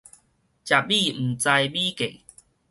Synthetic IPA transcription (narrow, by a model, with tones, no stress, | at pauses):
t͡ɕja˨bi˥˧m̩˨˩t͡sa˧jbi˦ke˨˩